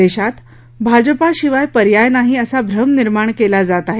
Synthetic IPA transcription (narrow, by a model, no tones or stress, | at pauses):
eɕat̪ | bʱad͡ʑəpaɕiʋajpəɾjajnaɦiəsabʱɾəmniɾmaɳ̃kelad͡zat̪aɦe